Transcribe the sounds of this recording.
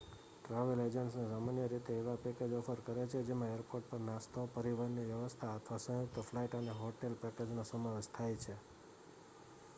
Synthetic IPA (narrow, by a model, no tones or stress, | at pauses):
ʈɾaʋeled͡ʒəɳʈsnesamanjəɾit̪eːʋapeked͡ʒɔfʰəɾkəɾet͡ʃʰed͡ʒemãeɾpoɾʈ̚pəɾnast̪ʰopəɾiʋəɾniʋjəʋəst̪ʰaət̪ʰʋasə̃ɦjuk̚t̪əflaiʈəneɦoʈelpɛked͡ʒnasəmaʋed͡ʒt̪ʰajt͡ʃʰe